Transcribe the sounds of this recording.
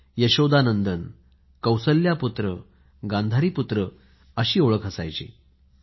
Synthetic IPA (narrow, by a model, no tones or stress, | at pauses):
jəɕod̪anənd̪ən | kəwsəlːjaput̪ɾə | ɡãnd̪ʱaɾiːput̪ɾə | əɕiːoɭəkʰɦəsa̰jt͡ɕḭː